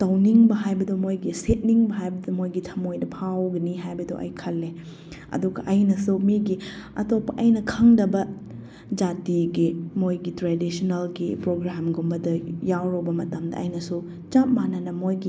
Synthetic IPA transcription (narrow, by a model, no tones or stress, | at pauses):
tɐwniŋbɐɦajbɐdomojɡiset̚niŋbɐɦajbɐdomojɡitʰɐmojdɐpʰawɡɐniɦajbɐdoʔɐ̰jkʰɐlːe | ɐ̰duɡɐʔɐjnɐsumiɡiɐtopːɐʔɐjnɐkʰɐŋdɐbɐ | d͡ʒatiɡimojɡitɾedisonɐlɡipɾoɡɾamɡumbɐdɐjawɾowbɐmɐtɐmdɐ̰ːjnɐsu | t͡ʃap̚manɐnɐmojɡi